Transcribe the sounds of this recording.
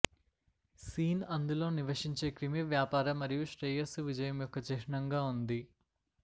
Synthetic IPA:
siːnɐnd̪ulo̞ːniʋɐʂiɲt͡ʃe̞ːkɾimiʋjaːpaːɾɐmːɐɾijuʂʈɾeːjɐsuʋid͡ʒɐjɐmjɔkːɐt͡ʃɛːɾɐɳɐŋɡaːund̪i

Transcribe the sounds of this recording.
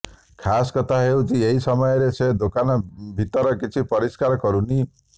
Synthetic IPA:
kʰaskɔt̪ʰaɦewt͡ʃʰieɦisɔmɔjɔɾesed̪okanɔbʱit̪ɔɾɔkit͡ʃʰipɔɾiskaɾɔkɔɾuni

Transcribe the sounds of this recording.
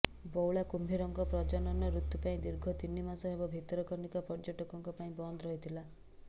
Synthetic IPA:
bɔwɭakumbʱiɾɔŋkɔpɾɔd͡ʒɔnɔnɔɾut̪ːupaĩd̪iɾɡʱɔt̪inːimasɔebɔbʱit̪ɔɾɔkɔɾnikɔpɔɾd͡ʒɔʈɔkɔŋkɔpaĩbɔnd̪ɔɾɔɦit̪ʰila

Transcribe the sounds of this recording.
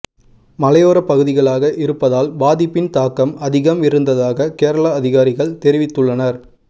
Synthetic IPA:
mɐlɐjoːɾɐpɐɣɯðɪɣɐɭaːɣɐʔɪɾɯpːɐðaːlbaːðɪpːɪnt̪aːkɐmɐðɪɣɐmɪɾɯnd̪ɐðaːɣɐkeːɾɐɭɐːðɪɣaːɾɪɣɐɭt̪ɛɾɪʋɪt̪ːɯɭːɐnɐɾ

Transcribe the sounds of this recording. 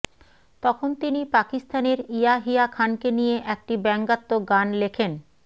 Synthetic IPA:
t̪ɔkʰont̪inipakist̪aneɾijaɦijakʰankenijeʔɛk̚ʈibɛŋɡat̪ːoɡanlekʰen

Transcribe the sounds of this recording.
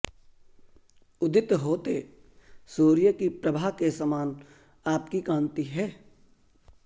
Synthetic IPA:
ʊd̪ɪt̪ɦoːt̪e | soːɾɪjəkipɾəbʱaːɦkesəmaːn | aːpkikãːnt̪iɦɛː

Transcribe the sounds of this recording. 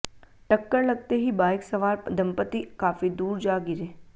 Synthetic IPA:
ʈəkːəɾləɡ̚t̪eɦibaːjksəʋaːɾd̪ʱəmpət̪ikaːfid̪uːɾd͡ʒaːɡiɾe

